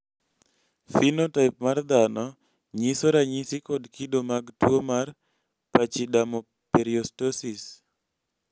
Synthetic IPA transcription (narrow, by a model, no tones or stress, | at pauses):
finotaɪpmard̪anɔ | ɲisoɾaɲɪsikɔdkidomaɡtwomar | pat͡ʃidamɔ | peɾiostosis